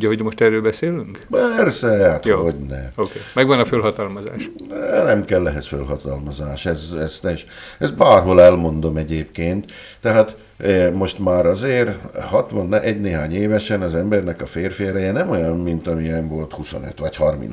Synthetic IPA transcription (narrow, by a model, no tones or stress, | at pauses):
ɟɐɦoɟmoʃt̪ɛrøːlbɛseːlyŋkpɛrsɛhat̪oɦoɟnɛokeːmɛɡʋɒnɒfølɦɒt̪ɒlmɒza̰ːʃɛnɛmkɛlːɛɦɛsfølɦɒt̪ɒlmɒzaːʃɛzɛst̪ɛːʃɛzbaːrɦo̞lɛlmo̞nd̪omɛɟeːpkeːnt̪ː | ɛɦaːt̪ | mo̞ʃt̪maːɾɒzeːrhɒt̪ʋɒnːɛʔɛɟneːɦaːɲeːvɛʃɛnɒzɛmbɛrnɛkɒfeːrfeːɾɛjɛnɛmo̞jɒnmint̪ɒmiɛɱvo̞lt̪huso̞̰nø̰t̪ʋɒchɒrmḭn